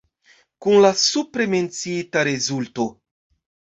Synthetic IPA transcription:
kunlasupɾement͡sit̪aɾezult̪o

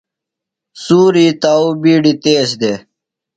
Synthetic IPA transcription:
suːɾit̪aːubiːɖit̪eːɕ̬d̪eː

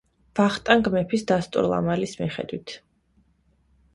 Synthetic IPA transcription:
vaχt̪ʼaŋɡmɛpʰisd̪ast̪ʼṵɾlˠa̰malismḭχɛ̰d̪wit̪ʰ

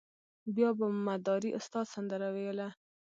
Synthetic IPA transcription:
bjɑbamad̪ɑɾiʔʊst̪ɑd̪sand̪əɾawejəla

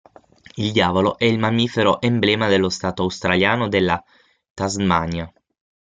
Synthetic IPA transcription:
ild̪jaːvoloʔɛilmamiːfeɾoʔemblɛːmad̪elːost̪aːt̪oawst̪ɾaljaːnod̪elːa | t̪azmaɲja

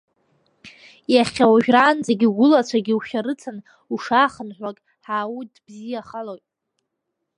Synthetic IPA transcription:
jaχʲawaʒᶣraːnd͡zaɡʲiɡʷʊlat͡ɕʷʰaɡʲiuʃʲaɾɨt͡sʰan | uʂaːχənħʷakʼ | ħaːwudbzijaχalojtʼ

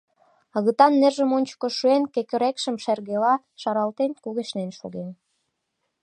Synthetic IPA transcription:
əɣət̪ɑnːerʒə̆monʲt͡ɕkoʃuenkekø̆ɾekʃə̆mʃerɣelɑ | ʃɑɾɑlt̪enkuɣeʃnenʃo̰ɣen

